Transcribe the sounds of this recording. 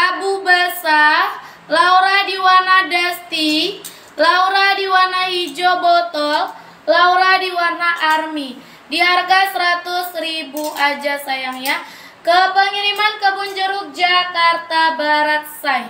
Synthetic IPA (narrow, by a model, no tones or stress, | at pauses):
ʔabubasa | lauɾadiwarnadast̪i | lauɾadiwarnahid͡ʒobot̪ɔl | lauɾadiwarnaʔarmi | diarɡasəɾat̪ʊsɾibuad͡ʒasajaŋja | kəpəŋiɾimankəbund͡ʒəɾʊk̚d͡ʒakart̪abaɾat̪̚saj